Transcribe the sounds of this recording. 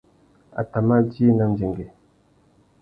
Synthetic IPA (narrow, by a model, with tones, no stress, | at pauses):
a̰˨ta˨ma˦d͡ʒi˦na˦˨n˨d͡ʒe˨ŋɡe˨